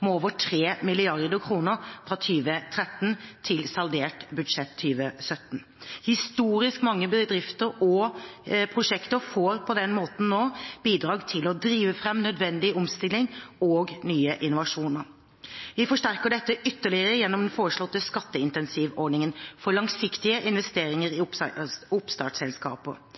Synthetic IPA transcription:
mɛoːʋəʈʰɾeːmɪlɪɑɾd̪əkʰɾuːnəɾfɾɑt̪ʰyːʋət̪ʰɾɛt̪ːnt̪ʰɪlsɑld̪eːʈbʉd̪ʂɛt̪ʰːyːʋəsœt̪ːn̩ | hɪst̪uːɾɪskmɑŋːəbəd̪ɾɪft̪əɾɔ | pʰɾʊʂɛkt̪əɾfoːɾpʰɔd̪ɛnmoːt̪n̩noːb̥iːd̪ɾɑːɡt̪ʰɪlɔd̪ɾiːʋəfɾɛmnœd̪ʋɛnd̪ɪɔmst̪ɪlːɪŋɔːɡnyːəʔɪnːʊʋɑʂuːnəɾ | ʋɪfɔʂʈæɾkəɖɛt̪ːəʔʏt̪ːəɭɪəɾəjɛnːɔmd̪ɛnfoːɾəʂɭɔt̪ːəskɑt̪ːəɪnt̪ɛnsiːʋɔɳɪŋənfɔɾɭɑŋsɪkt̪ɪəʔɪnʋɛst̪eːɾɪŋəɾɪ | ʊpst̪ɑ̰ːʈsɛlskɑ̰ːpə̰

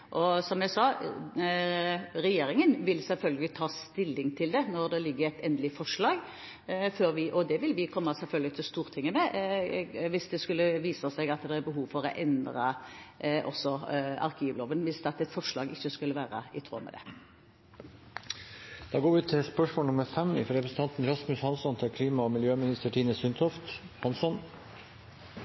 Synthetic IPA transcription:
ʔɔsɔmjæsɑː | ʁɛjeːɾɪŋənʋɪlsɛlfœlɡəlɪt̪ʰɑːst̪ɪlːɪŋt̪ʰɪld̪ɛnɔʁd̪ɛlɪɡːəɾæɪt̪ɛnd̪əlɪfɔʂlɑːɡ | føːɾʋɪʔɔd̪ɛʋɪlʋɪkʰɔmːəsɛlfœlɡəlɪt̪ʰɪlɔst̪uːʁt̪ʰɪŋːəmɛ | ʋɪsd̪ɛskʉlːəʋiːsəsɛɡɑt̪d̪ɛæɾbəɦuːʋfɔɾɔ̰ʔɛnd̪ʁə | ʔɔ̰sɔɑ̰ʁkʰiːʋloːʋənʋɪsɑt̪ːɛt̪fɔʂɭɑ̰ːɡɪçːəskʉlːəʋæːɾəɪt̪ʰɾo̰ːmɛ̰d̪ɛ̰ | d̪̥ɑːɡoːɾʋɪʉːt̪ʰɪspœʂmoɔːnʊməɾfɛmɪ̰fɾɛpʰɾəsən̩t̪ɑnt̪n̩ɾɑsmʉshɑnsɔnt̪ʰɪlkʰliːmɑmɪljøːmɪnɪst̪əʈʰiːnəsʏnt̪ʰɔft̪hɑnsɔn

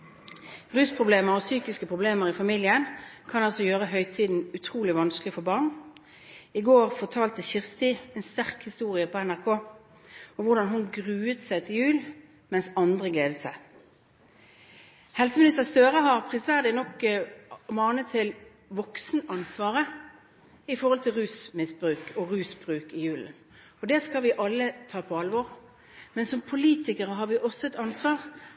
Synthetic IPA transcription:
ʁʉːspʰʁʊbleːməʁɔsyːkɪskəpʰʁʊbleːməʁɪfɑmiːljənkʰɑnɑlsɔjøːʁəɦœʏt̪ʰiːd̪n̩ʉt̪ʰʁuːlɪʋɑnsklɪfɔbɑʁn | ɪɡoːʁfɔt̪ʰɑːlt̪əçɪʁst̪ɪɛːnst̪æʁkhɪst̪uːʁɪəpʰɔɛnæʁkʰoː | ɔʋʊʁd̪ɑnɦʊnɡʁʉːət̪sæɪt̪ʰɪljʉːl | mɛnsɑnd̪ʁəɡleːd̪ət̪sæɪ | hɛlsəmɪnɪst̪əʁst̪øːʁəɦɑʁpʰʁɪsʋæːʁd̪ɪnɔkː | mɑːnət̪ʰːɪl | ʋɔksnɑnsʋɑːʁə | ɪfɔʁɔlt̪ʰɪlʁʉːsmɪsbɾʉːkʰɔʁʉːsbʁʉːkɪjʉːlə̰n | ɔd̪ɛskɑlʋɪʔɑlːət̪ʰɑːpʰɔɑlʋɔʁ | mɛnsɔmpʰʊliːt̪ɪkəʁəɦɑʁʋɪʔɔsːɔɛt̪ɑnsʋɑːʁ

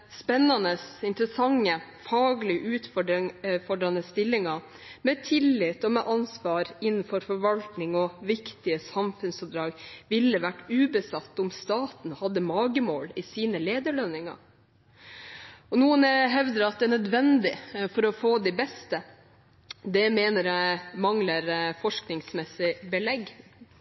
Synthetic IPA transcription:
spɛnːɑnəsɪnt̪ɾəsɑŋːəfɑːɡlɪʔʉːt̪fɔɖfɔɖɾɑnəst̪ɪlːɪŋɑ | mɛt̪ʰɪlːɪt̪ːɔmɛʔɑnsʋɑːɾɪnn̩fɔɾfɔɾʋɑlt̪nɪŋɔʋɪkt̪ɪəsɑmfʉnsɔp̚d̪ɾɑːɡʋɪlːəʋæʈːʉːbəsɑt̪ːʊmst̪ɑːt̪n̩hɑd̪ːəmɑːɡəmoːlɪsiːnəleːd̪əɭœnɪŋɑ̰ | ɔnuːənɛɦɛʋd̪əɾɑt̪̚d̪ɛnœd̪ʋɛnd̪ɪfɔɾɔfoːd̪ɪbɛst̪ə | d̪ɛmeːnəɾjæmɑŋləɾfɔʂknɪŋsmɛsɪbəlɛɡ

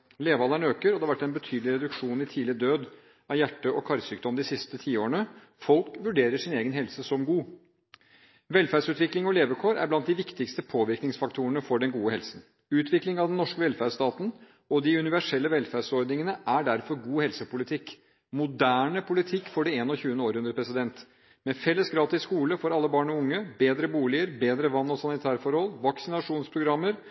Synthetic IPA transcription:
leːʋəɑlæɳøːkəɾɔd̪ɛhɑʋæʈːɛnbət̪ʰyːd̪lɪɾɛd̪ʉkʂuːnɪt̪ʰiːlɪd̪øːd̪ | ɑjæʈːəʔɔkʰɑɾsyːk̚d̪ɔmd̪ɪsɪst̪ət̪ʰiːoːɾəɳə | fɔlkʋʉɖeːɾəʂɪneːɡənɦɛlsəsɔmɡuː | ʋɛlfæɖsʉːt̪ʋɪklɪŋɔleːʋəkʰoːɾæ̰ɾblɑnt̪̚d̪ɪʋɪkt̪ɪkst̪əpʰoːʋɪɾknɪŋsfɑkt̪ʰuənəfɔɖɛnɡuːəhɛlsn | ʉːt̪ʰʋɪklɪŋɑʋd̪ɛnːɔʂkəʋɛlfæɖst̪ɑːt̪n̩ | ɔd̪ɪʉnɪʋæʂɛlːəʋɛlfæɖsɔɾd̪nɪŋənəʔæɖæɾfɔɾɡuːhɛlsəpʊlɪt̪ʰɪkː | mʊd̪æːɳəpʰʊlɪt̪ʰɪkːfɔɖɪeːnɔçʉːənəoːɾhʉnd̪ɾəpʰɾɛsɪd̪ɛnt̪ | mɛfɛlːəsɡɾɑːt̪ɪskuːləfɔɾɑlːəbɑːɳɔʊŋːəbeːd̪ɾəbuːlɪəɾbeːd̪ɾəʋɑnːɔsɑnɪt̪ʰæːɾfɔɾhɔlʋɑksɪnɑʂuːnspʰɾʊɡɾɑmːəɾ

